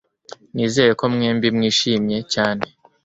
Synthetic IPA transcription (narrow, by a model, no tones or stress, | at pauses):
niːze̞ːje̞ko̞mŋeːmbimŋiːʃiːmɲe̞caːne̞